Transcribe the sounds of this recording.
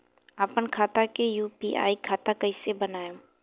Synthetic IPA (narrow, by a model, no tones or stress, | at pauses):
apənkʰaːt̪akejuːpiːʔa̰ːikʰaːt̪akɐisebənaːjõ